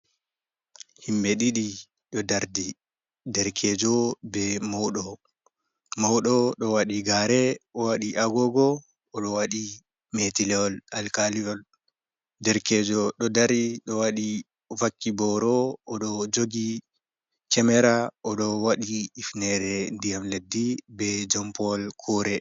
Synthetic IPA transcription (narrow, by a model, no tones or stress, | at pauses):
himbɛɗiɗi | ɗɔdaɾdi | dɛɾkʰɛd͡ʒɔbɛmɔwɗɔ | mɔwɗɔɗɔwaɗiɡaɾɛɔwaɗiʔaɡɔɡɔ | ɔɗɔwaɗi | metilɛɔlalkaliɔl | dɛɾkɛd͡ʒɔɗɔdaɾiɗɔwaɗi | vakːibɔɾɔɔɗɔd͡ʒoɡi | t͡ʃɛmɛɾaɔɗɔwaɗiːfnɛɾɛndijamledːibɛd͡ʒɔmpɔlkʰɔɾɛ